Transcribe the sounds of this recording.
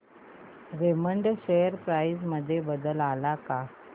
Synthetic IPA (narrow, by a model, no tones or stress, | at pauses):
ɾeməɳɖɕejəɾpɾaisməd̪ʱːjebəd̪əlalaka